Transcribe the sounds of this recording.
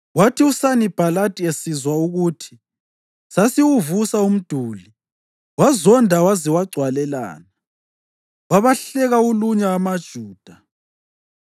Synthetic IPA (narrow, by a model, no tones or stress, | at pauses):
watʰiusanib̥ʱalatʼiesizwauɣutʰi̥ | sasiwuvusaum̩d̥ʱuːli | wazɔndʱawaziwaɡ͡ǀʱwalɛla̰ːna | waβaɬɛɣauluɲaːmad̥ʒ̥ʱuːd̥ʱa